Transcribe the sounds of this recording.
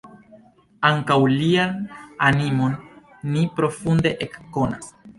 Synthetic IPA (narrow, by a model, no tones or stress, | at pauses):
aŋkawliananimo̞nː | ipɾo̞funde̞ʔekːo̞na̰s